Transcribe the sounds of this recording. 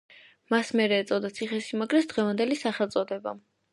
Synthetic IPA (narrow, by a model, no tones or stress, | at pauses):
masmɛɾɛːt̪sʼad̪at̪sʰiχɛʃimaɡɾɛt̪sd̪ʁɛvand̪ɛlisaχɛlˠt̪sʼɔd̪ɛba̰